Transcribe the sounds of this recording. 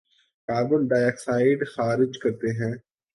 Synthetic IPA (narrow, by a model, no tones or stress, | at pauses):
kaːɾbənɖaːjɛksaːɪɖxaːɾɪd͡ʒkɐɾt̪eɦɛ̃ː